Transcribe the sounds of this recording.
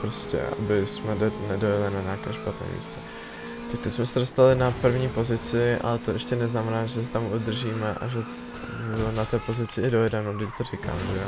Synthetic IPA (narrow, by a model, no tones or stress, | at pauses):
pɾoscɛ̰ʔa̰bɪsmɛnɛdojɛlɪnaɲakɛːʃpat̪nɛ̰ːmḭst̪ɛ | t̪ak̚t̪ɪsmɛsɛdost̪alɪnapr̩vɲiːpo̞zɪt͡sɪʔa̰lɛt̪oʔɛʃcɛnɛznamɛnaːʒɛsɛt̪amud̪r̩ʒiːmɛʔa̰ʒɛ | nat̪ɛːpo̞zɪt͡sɪɪdo̞jɛdɛnoɡdɪct̪orɪka̰ːmʒɛjo